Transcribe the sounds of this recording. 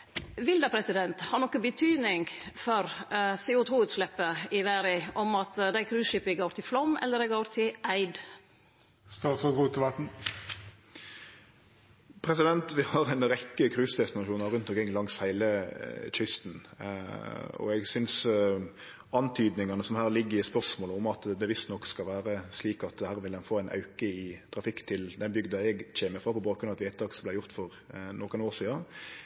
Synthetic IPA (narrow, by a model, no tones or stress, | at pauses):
ʋɪld̪əpʰɾɛsɪd̪ɛnt̪hɑːnɔkːəbət̪ʰyːd̪nɪŋɡfɔɾseːʊt̪ʰuːʉːt̪slɛpːəɪʋæɾɪʔɔmɑt̪d̪æɪkʰɾʉːʃɪpɪɡoːɾt̪ʰɪflɔmɛ̰lːəɾɛɡoːɾt̪ʰɪʔæɪd̪ | st̪ɑːt̪sɔuːt̪ʰəʋɑt̪n̩ | pʰɾɛsɪd̪ɛnt̪ʋɪhɑɾæɪnɾɛkːəkʰɾʉːsd̪ɛst̪ɪnɑʃuːnɑɾʉnt̪ɔkɾɪŋːlɑŋshæɪləc͡çʏst̪n̩ | ɔ̰ɛɡsʏns | ɑnt̪ʰyːd̪nɪŋɑnəsɔmhæːɾlɪɡːəɾɪspœɾʂmoːləʊmɑt̪d̪ɛʋɪst̪nɔkːskɑlʋæːɾəsliːkɑt̪̚d̪ɛhæːɾʋɪld̪ɛnfoːæɪnʔɑ̰ʉkəɪt̪ʰɾɑfɪkːt̪ʰɪld̪ɛnbʏɡd̪əɛɡc͡çeːməfʁɑːpʰɔbɑːkɾʉnɑʋɛt̪ʋeɪt̪ʰːɑːksɔmblæɪjʊʁt̪fɔɾ | nɔkənoːʁʂiːɑ